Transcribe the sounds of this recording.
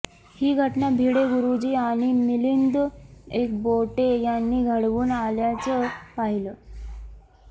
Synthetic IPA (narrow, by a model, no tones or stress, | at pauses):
hiːɡʱəʈnabʱiɽeɡuɾud͡ʑiːaɽ̃imilind̪ek̚boʈejanːiːɡʱəɽʋuːnaljat͡səpaɦilə